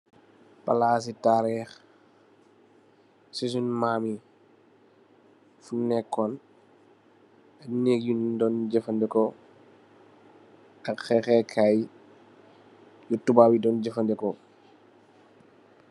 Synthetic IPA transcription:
pa̰laːs̬itaːɾɛx | sis̬unmaːmi | funɛkːɔn | ɐneːkjundɔnd͡ʒɛfɐndɛkɔ | ɐkxɛxɛkʰaːj | jutubawidɔnɟɛfɐndɛkɔ

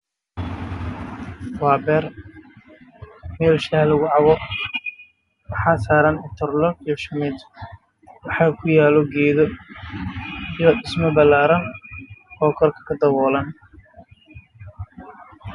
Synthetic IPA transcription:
waːbɛːr | mɛːlʃɐhlɐɣʊʕɑβɔ | wɑħɑːsaːɾɐnʊt̪ʰɐrlɔijɔʃɐmɛd̪ | wɑħɑːkʰʊjaːlɔɡɛːðɔ | ijɔɖɪsmɔbɐlaːɾɐnkɔːkʰɔrkʰɐ̥kʰɐd̪ɐβɔːlɐn

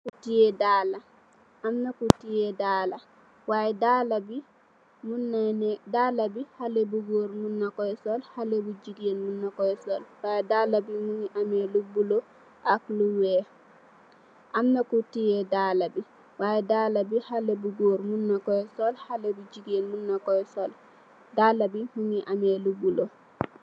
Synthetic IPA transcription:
kutijɛdala | amnakutijɛdaːla | wajɛdalabi | munanɛdalabihalebuɡoɾmunːakɔjɛsɔlhalebud͡ʒiɡenmunːakɔjsɔlwajɛdalabimuŋiʔamɛlubːulo | ʔakluwɛ | ʔamnakutijɛdalabi | wajɛdalabihalɛbuɡoɾmunːakɔjɛsɔlhalebud͡ʒiɡenmunːakɔjsɔl | dalabimuŋiʔamɛlubːulo

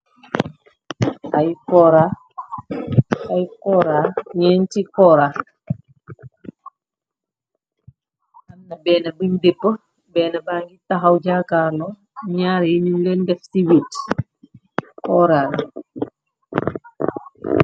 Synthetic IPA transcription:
ʔajkɔɾa | ajkɔɾaɲɛːntikɔɾa | ʔanːɐbɛːnɐbiɲdepːə | bɛːnɐbaːŋɡitaɦawɟakaɾlo | ɲaːɾiɲumlendɛfsiwit | kɔɾal

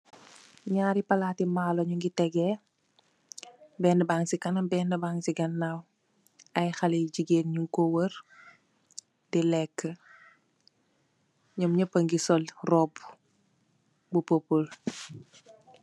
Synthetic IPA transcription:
ɲaːɾipɐlaːtimaːloɲuŋɡitɛɡɛ | bɛːndəbaːŋsikɐnɐmbɛndəbaːŋsiɡɐnːaw | ʔɐjxɐleɟiɡeːnɲuŋkowəɾ | dilɛkːə | ɲɔmɲɐpəŋɡisɔlrɔb | bupopul

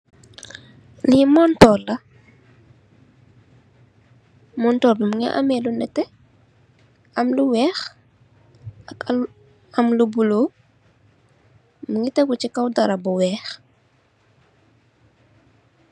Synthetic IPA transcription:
limɔːntɔːlɐ | mɔntɔːlbimuŋḭʔa̰mɛlunɛtɛ | ɐmluwɛːx | ɐk | ɐmlubuloː | muŋɡitɛɡut͡ʃikɐwdɐɾɐbɔwɛːx

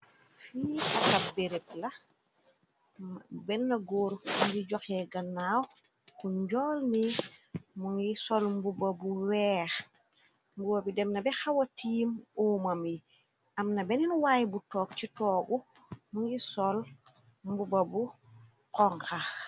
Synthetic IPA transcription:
fiʔɐkɐbeɾep̚lɐ | bɛnːɐɡoːɾuŋɡiɟɔxɛɡɐnːaːw | kuɲɟɔːlni | muŋisɔlmbubɐbuwɛːx | mbubɐbidɛmnɐbɛxɐwɐtiːmɔːmɐmi | ɐmnɐbɛninuwaːjbutɔːk̚citɔːɡu | muŋisɔl | mbubɐbu | qɔŋkax

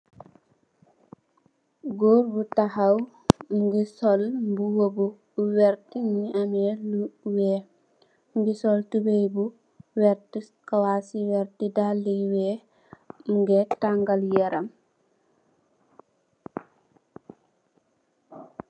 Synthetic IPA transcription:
ɡoːɾbutahaw | mɡisɔlmbuwobu | wɛɾtiniʔamɛluwɛ | mbisɔltubejbu | wɛɾtiskawasiwɛɾtidalːiwɛ | mɡɛtaŋɡaljɛɾʔam

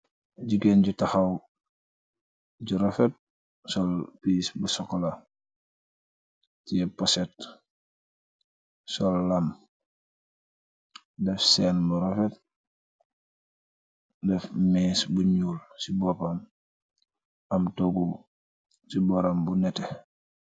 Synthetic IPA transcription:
ɟiɡenɟutaxɐw | ɟuɾɔfɛt̚ | sɔlpisbusɔkɔla | tiɛpɔsɛt | sɔlːɐm | dɛfsɛnbuɾɔfɛt̚ | dɛfmiːsbuɲuːlsibɔpam | ɐmtoɡu | sibɔɾambunɛtɛ

